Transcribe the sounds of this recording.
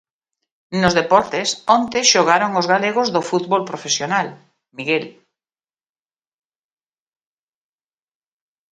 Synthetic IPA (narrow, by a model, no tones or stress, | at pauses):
nozðepɔɾt̪esõnt̪eʃoɣ̞aɾoŋozɣaleɣozðofut̪βolpɾofesjonal | miɣel